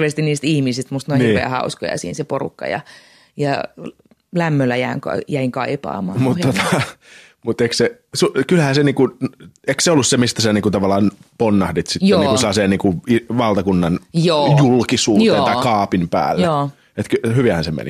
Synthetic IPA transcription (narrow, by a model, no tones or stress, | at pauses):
ʋeːˑst̪iniːst̪ihmisist̪must̪noihnirʋḛæ̰hɑ̰usko̰jɑ̰sḭːnseporṵkːɑ̰jɑ̰ | jɑ | læmːølːæjæːŋkɑ̰jæiŋkɑipɑ̰ːmɑ̰ːmut̪ːot̪ɑ | mut̪ekse | sukylhæːseniːkuekseolːussemist̪æsæniːŋkut̪ɑʋɑlːˑɑːnponːɑhdit̪sit̪jonːikuselɑːseːnniːŋkuiʋɑlt̪ɑkunːɑnjoːjulkisuːt̪eːnt̪ɑikɑːpimpæ̰ːlːjeoː | et̪kyhyʋiæhænsemḛnḭ